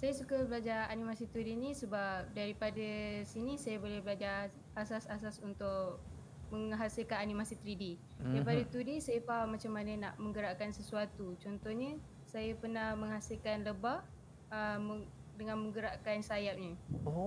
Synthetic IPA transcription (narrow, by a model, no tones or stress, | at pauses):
sajasukabəlad͡ʒaanimasit̪ɾidinisəbap̚daɾipadəsinisajabolɛhbəlad͡ʒa | asasas̬asunt̪ʊʔ | məŋɦasilkananimasit̪ɾidi | daipadət̪udisajfamat͡ʃamːanəna̰ʔmə̃ŋɡəɾaʔkansəsuat̪ut͡ʃɔnt̪ɔhɲə | sajapərnahməŋɦasilkanləbaʔ | əə | dəŋanmə̃ŋɡəɾaʔkansajap̚ɲə